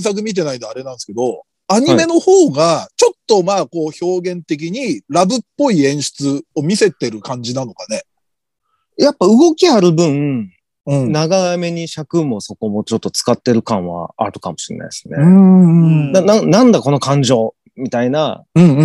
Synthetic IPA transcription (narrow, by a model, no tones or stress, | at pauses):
s̬ak̬ɯ̟mʲit̪̬e̞naid̪oaɾe̞nãɰ̃sɨ̥ked̪o̞ | aɲ̟ime̞no̞hoːɡat͡ɕo̞t̪ːo̞maːko̞ːço̞ːɡẽ̞nt̪e̞k̬ʲiɲ̟iɾabɯ̟pːo̞iẽ̞ɰ̃ɕi̥t͡sɨo̞mʲise̞t̪e̞ɾɯ̟kãɲ̟d͡ʑinano̞kane̞ | japːaɯ̟ɡo̞kʲiaɾɯ̟bɯ̟̃ɴ | ɯ̟̃ɴnaɡame̞ɲ̟iɕakɯ̟mo̞so̞ko̞mo̞t͡ɕo̞t̪ːo̞t͡sɨ̥kat̪ːe̞ɾɯ̟kãɰ̃βa̰a̰ɾɯ̟kamo̞ɕiɾḛna̰isɨneɯ | d̪anãnãnd̪ako̞no̞kãɲ̟d͡ʑo̞ː | mʲit̪aina̰ɯ̟̃ɴ̃